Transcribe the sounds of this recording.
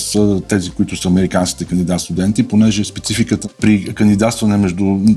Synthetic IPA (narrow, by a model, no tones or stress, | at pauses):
sət̪ɛzikoit̪ʊsəɐmɛɾikansk̟ʲi̥t̪ɛkənd̪id̪at̪st̪ʊd̪ɛnt̪iponɛʒɛspɛt̪sifikət̪əpɾikənd̪id̪at̪st̪vənɛmɛʒd̪u